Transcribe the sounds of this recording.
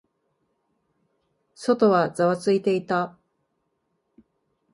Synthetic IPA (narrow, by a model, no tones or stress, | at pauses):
so̞t̪o̞βazaβat͡sɨit̪e̞it̪a